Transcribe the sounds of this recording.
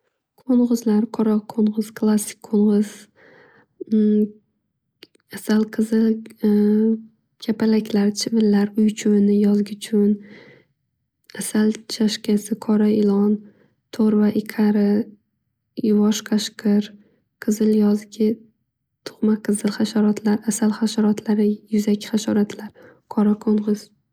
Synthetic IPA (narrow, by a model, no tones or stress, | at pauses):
kʰoɴʁɨzlaɾqʰɒɾɒqʰoɴʁɨz̥kʰlˠasːɪ̥k̚ʲʰoɴʁɨz̥ | asalqʰɨzɪl | kʲʰapʰalakʲlaɾt͡ʃʰɪvɪlːaɾʊjt͡ʃʰʊnɪjɒzɡʲɪt͡ʃʰʊn | asalt͡ʃʰaʃkʲasɪkʰɒɾaɪlˠɒn | t̪ʰoɾvaʔɪqʰaɾɪ | jʊvɒʃqʰaʃqɨɾ | qʰɨzɪljɒzɡʲɪ | t̪ʰʊ̥χmaqʰɨzɨlˠχaʃaɾɒt̪ʰlaɾasalχaʃaɾɒt̪ʰlaɾɪjʊzakʰʲχaʃɒ̰ɾat̪ʰlaɾ | kʰɒɾakʰoɴʁɨz̥